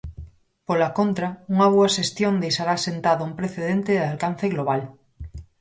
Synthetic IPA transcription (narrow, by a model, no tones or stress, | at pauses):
polakont̪ɾauŋaβuaʃest̪jond̪ejʃaɾasent̪aðoumpɾeθeðent̪eðalkan̟θeɣloβ̞al